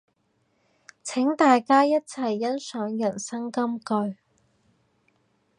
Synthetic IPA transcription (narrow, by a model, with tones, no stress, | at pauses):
t͡sʰɛ˨˥ŋt̪aː˨jkaː˥jɐ˥t̚t͡sʰɐ˨˩jːɐ˥nsœː˨˥ŋjɐ˨˩nsɐ˥ŋkɐ˥mkɵ˧ɥ